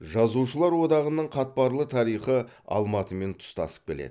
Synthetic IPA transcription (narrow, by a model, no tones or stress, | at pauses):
ʒɑzuʃəlˠɑɾwo̞d̪ɑʁənəɴqʰɑt̪̚pɑɾlˠət̪ʰɑɾijχə | ɑ̰lˠmɑt̪əme̞nt̪ʰʊ̥st̪ɑ̰sə̥p̚kʲelḛd̪ɪ